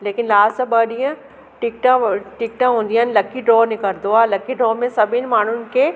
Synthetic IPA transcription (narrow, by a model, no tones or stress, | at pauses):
leːkɪnlaːzt̪ɐbɐɗiə̃ | ʈɪk̚ʈãʈɪk̚ʈãɦũːn̆d̪iaːnɪ̆lɐkiɖɾɔːnɪkəɾd̪oaːlɐkiɖɾɔːmẽsɐbʱɪnɪ̆maːn̤ʊnɪ̆kʰeː